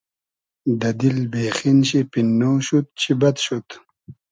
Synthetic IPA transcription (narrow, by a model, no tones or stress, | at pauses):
d̪ɐd̪ilbeːxinɕipinːoːɕut̪̚t͡ɕʰibɐt̪ɕut̪